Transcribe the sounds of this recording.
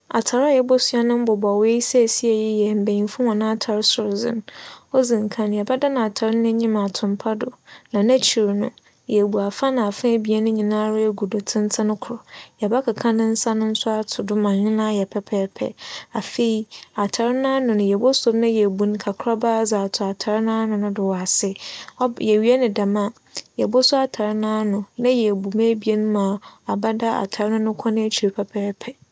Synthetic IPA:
a˨tʰa˨ɾa˦jɛ˨bɔ˦sɥa˦nʊ̃˦m̩˦bɔ˨ba˨we˦i˦sɛ˦˨si˦ɛ˨ji˦jɛ˨m̩˨be˨ĩ˨n˦fʊ̃˦hɔ̃˨nã˦a˦tʰa˨ɾɪ˦sʊ˨ɾzɪ̰̃˦nɔ˦zĩ˨ŋ˨kʰã˨njɛ˨ba˦da˦nã˨a˨tʰa˨ɾɪ˦ñ˦ɛ˦ɲĩ˦mã˨tʰʊ̃˨mpʰa˦dʊ˨nã˨næ̃˦t͡ɕʰi˨ɾnʊ̰̃˦ | jɛ˨bu˨a˨fa˦nã˨a˨fɪ̃˦bi˨˦ɛ˦nʊ̃˦ɲĩ˨nã˦ɾɪ˦˨ɡu˨do˨tʰɪ̃˦ntʰɪ˦nʊ̃˦kʰʊ˨ɾɔ˨jɛ˨ba˦kʰa˨kʰã˦nʊ̃˦n̩˦sa˦nʊ̃˦n̩˦sʊ˦a˦tʰʊ˨dʊ˦mã˨ɲɪ̃˦nã˦jɛ˨pʰɛ˨pʰɛː˨pʰɛ̰˦a˨fe˦˨i˦a˨tʰa˨ɾɪ˦nã˦nʊ̃˨nʊ̃˨jɛ˨bo˦so˦bnã˦jɛ˨bu˨ñ˦kʰa˨kʰɾa˦baː˦za˨tʰʊ˨a˨tʰa˨ɾɪ˦nã˦nʊ̃˨nʊ̃˦dɪ˨wɔ˨a˨sɪ˦ɔ˦jɛ˨ɥi˦ɛ˦nɪ̃˨dã˨mã˦ | jɛ˨bo˦sʊ˦a˨tʰa˨ɾɪ˦nã˦nʊ̃˨nã˦jɛ˨bu˨mẽ˦bi˦e˦nʊ̃˦mã˨a˨ba˦da˦a̰˨tʰa˨ɾɪ˦nʊ̃˦nʊ̃˦kʰɔ̃˦nɪ̃˦æ˦t͡ɕʰi˨e˨pʰɛ˦pʰɛː˦pʰɛ˨

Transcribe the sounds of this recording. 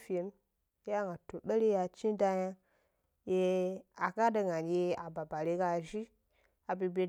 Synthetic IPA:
fi˨e˨˦n˦ | ja˦˨ŋɡa˨to˨ɗə˦ɾe˦ja˨t͡ʃi˦nda˦ja˦ | je˦a˨ka˦də˨ŋa˨nje˦a˨ba˨ba˨ɾe˦ka˦˨ʒi˦ | a˨bi˨be˨

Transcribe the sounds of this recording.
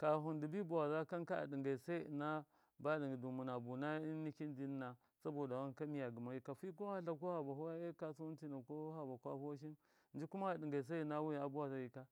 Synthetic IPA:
ka˨ɦu˨ndi˨bi˦bu˨wa˨za˦ka˦nka˦a̰˨di˨ŋɡa˨sa˦i˦˨na˦ | ba˦ɗi˨ŋɡi˨du˨mu˨na˨bu˨na˦i˦ni˦ki˦ndi˦n˦na˨ | sa˦bo˨da˨wa˦ka˦mi˦ja˨ɡi˨ma˨˦ji˦ka˨fi˦k̬o˦ha˦ɬa˨ko˦ha˨ba˨hu˦a˦e˦ka˨su˦u˦ti˦na˨ko˦ha˨ba˨kʷa̰˦hu˦wa˦ʃ̬i˦n | n˦d͡ʒi˦ku˦ma˦a˨di˨ŋɡa˨i˨s̬a˦i˨na˦wu˦i˨a˨bu˦wa˨za˦ji˨ka˦

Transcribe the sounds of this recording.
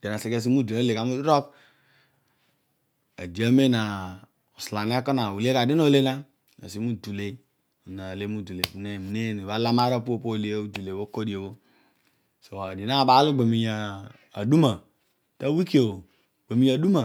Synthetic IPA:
d̥e˨na˨se˨ke˦˨s̬i˦mu˦du˨le˦le˨ka˨mu˦dɾo˦k | a̰˨di˨a˦me˦na˨ | o˨sla˨ni˦a˦ko˦na˨wu˨le˦ka˨di˦n˦o˦le˦la˦ | na̰˨si˦mu˦du˨le˦ | o˨na˨le˦mu˦du˨le˨u˨ne˦˨mi˨ne˦˨ni˨ba˦la˦ma˦ɾo˦po˦˨po˦˨le˦u˦du˨le˨wo˦ko˦di˨e˨bo˦ | so˨a˨di˨na˦˨ba˨˦lo˦ɡ͡be˨mi˨jaː˨ | du˦ma˨ | ta˦wi˦ki˦o˨ | ɡ͡be˨mi˨ja˨du˦ma˨

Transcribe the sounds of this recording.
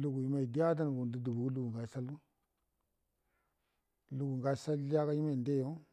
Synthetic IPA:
lu˦ɡu˨ji˨˦ma˨i˨di˦ja˦d̬a˦n˨ɡu˨n˨di˦du˨bu˨ku˦lu˦ɡu˨ŋɡa˨sa˦lu˦ | lu˦ɡu˨ŋɡa˦˨sa˦lːi˦a˦ka˦ji˦ma˨nde˦jo˦

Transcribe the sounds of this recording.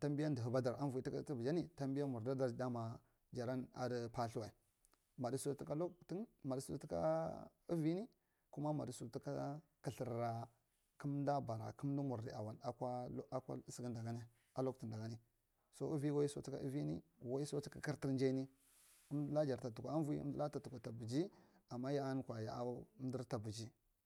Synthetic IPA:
ta˦mbi˦ja˦ndə˨ɦu˨ba˦da˨ɾa˦nvu˨i˨˦i˦ka˦ti˦vd͡ʒa˦ni˨ta˦mbi˦ja˦mu˨ɾda˦da˨ɾda˦ma˨ | d͡ʒa˨ɾa˦na̰˨də˦pa˦ɬu˦wa˨i˨ | ma˨di˦su˦ti˦ka˦lo˦kti˦nma˨di˦su˨˦ti˦ka̰˦ | i˦vi˦ni˦ | ku˦ma˦ma̰˨di˨su˨ti˦ka˦kə˨ɬi˨ɾːa˨ | kə˦mda˦ba˨ɾa̰˨ku˦m˦du˦mu˨ɾdḭ˨a˨wa˨na˨kʷa˦ʔa˦kʷa̰˦si˦ɡi˦nda˨ɡa˦ni˦ | a˦lo˦kti˨nda˨ɡa˦ni˦ | so˦i˦vi˦wo˦i˦so˦ti̥˦ka̰˦ḭ˦vi˦nḭ˦wa˦i˦so˦i̥˦ka˨ki˦ɾti˦ɾnd͡ʒa˦ni˦ | ə˦mdla˦d͡ʒa˨ɾta˨tu˨kʷa˨a˦vu˦i˦ṵ˦m˦də˦la˦ta˨tu˨kʷa˨ta˨bu˨d͡ʒi˦ | a˨mːa˦ja˦a˦n˦kʷa˨ja̰˨˦m˦di˦ɾta˨bu˨d͡ʒi˦

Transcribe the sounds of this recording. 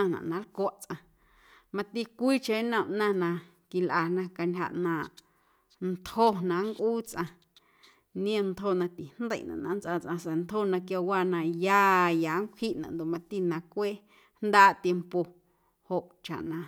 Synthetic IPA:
ã˧nã̰˨ʔnã˨˦lkwa˦˨ʔt͡sʔã˧ | mã˧t̪i˦kʷiː˦t͡ʃe˧˦nə̃˦˨ʔnã˧nã˧ | ki˨lʔa˨nã˧ka˧nʲha̰˧ʔnã˨ʔ | nt̪ho˦nã˧ŋkʔuː˦t͡sʔã˧ | nĩ˦ẽ˦˧nt̪ho˧˨nã˧t̪i˨nd̪ə̰˦˨ʔnã̰˨ʔnã˧˦nt͡sʔa˧t͡sʔã˧se˨nt̪ho˦˧˨nã˧kja˧waː˧nã˧jaː˧jaː˨˦ŋkʷʰhi˦ʔnã̰˨ʔnd̪o˨ʔmã˧t̪i˧nã˧kʷeː˦ | hnd̪aː˦ʔt̪je˧mpo˨ | ho˨ʔt͡ʃa̰˨ʔnã˧˨

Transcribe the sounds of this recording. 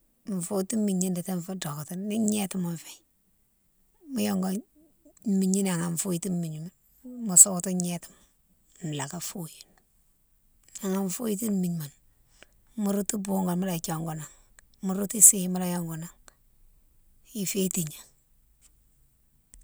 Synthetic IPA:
ɱ̩˨fu˦ti˦mːi˨ɲi˦ndi˨te˦ɱfu˦do˨kti˦ni˦ɲe˦ti˦mo˨ɱfe˨ | mu˦jɔ˦ŋɡo˦ | mi˨ɲi˦na˨ŋa˨ɱfu˦ji˦ti˦mi˨ɲ˨ma˨n | mu˨so˦kti˦ɲe˦ti̥˨m˨ | n˨la˨ka˨fu˦ji˨n | a˨ŋa˨ɱ˨fu˦ji˦ti˦m˦mi˨ɲ˨ma˨n | mu˦ɾu˦tu˦bu˦ŋɡo˨nmu˦la˨t͡ʃo˨ŋɡo˨na˨ŋmu˦ɾu˦ti˦si˦ma˦la˦jo˦ŋɡo˨na˨ŋ | i˨fe˦ti˨ɲa˨

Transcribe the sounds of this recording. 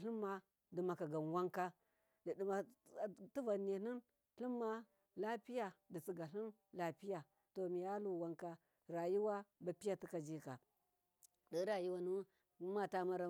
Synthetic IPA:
ɬi˦mːa˦ | di˨ma˨ka˨ɡa˨n˨wa˦ŋka˦ | ddi˨ma˨tu˦va˨n˨e˨ni˦n | ɬi˦mːa˦ | la˦pi˦ja˨di˨t͡si˨ɡa˨ɬi˦n | la˨pi˦ja˨ | to˨mi˨ja˦lu˦˨wa˦ŋka˦ | ɾa˨ju˦wa˦ba˨˦pi˦ja˨ti˦ka˨d͡ʒi˦ka˨ | də˦ɾa˨ji˦wa˦nu˦ | ma˦ta˦ma˦ɾa˦

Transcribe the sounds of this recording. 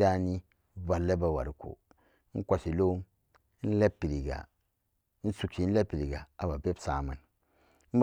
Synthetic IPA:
a˦ni˦ | ba˨lːe˦ba˨wa̰˨ɾi˨ko̰˨˦ | n̩˦kʷa˨si˨lo˦m˦ | n̩˦le˦pːi˨ɾi˨ɡa̰˨˦ | n̩˦su˨kt͡ʃi˨˦n̩˦le˦pi˨ɾi˨ɡa˨a˨ba˨be˦bsa˨ma˨n˦ | m̩˦b

